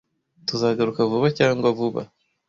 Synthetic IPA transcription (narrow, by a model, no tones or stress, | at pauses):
tuzaːɡaɾukavuβacaːŋɡwavuβa̰